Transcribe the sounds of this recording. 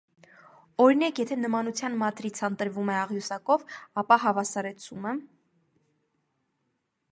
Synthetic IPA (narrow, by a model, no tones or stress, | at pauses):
ɔɾinɑkjɛt̪ʰɛnəmɑnut͡sʰjɑnmɑt̪ɾit͡sʰɑnt̪əɾvumɛɑʁjusɑkɔvɑpɑɦɑvɑsɑɾɛt͡sʰumə